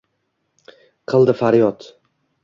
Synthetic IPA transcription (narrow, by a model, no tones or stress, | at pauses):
qʰɨlˠd̪ɪfaɾjɒt̪